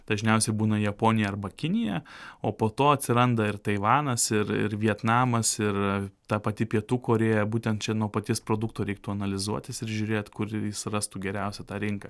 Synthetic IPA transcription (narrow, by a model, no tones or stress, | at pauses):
d̪̥ɐʒʲnʲɛʊsʲɛɪbuːnɐjɛpoːnʲɪjɛɐɾbɐkʲɪnʲɪjɛoːpoːt̪oːɐt̪ʲsʲɪɾɐnd̪ɐɪrt̪ɐɪʋɑːnɐsɪɾɪ̰rʋʲiɛt̪nɑːmɐsɪrt̪ɑːpɐt̪ʲɪpʲiɛt̪uːkoːɾʲeːjɛbuːt̪ʲɛnt̪t͡ʃʲɛnuɔpɐt̪ʲɪːspɾoːd̪ʊkt̪oːɾʲɛɪk̚t̪uːɐnɐlʲɪzuɔt̪ʲɪsɪɾʒʲʊɾʲeːjt̪kʊɾjɪsrɑst̪uːɡʲɛɾʲæˑʊsʲɛt̪ɑːɾʲɪŋkɐ